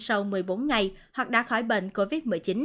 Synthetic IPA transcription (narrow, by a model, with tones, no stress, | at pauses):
sa˧wmɨ˨˩əjɓo˨˦nŋa˨˩jhwa˨˩k̚ɗa̰ː˧˥xɔ˧˩jɓḛ˧˨nko˧vi˦˥t̚mɨ˨˩jt͡ɕi˨˦n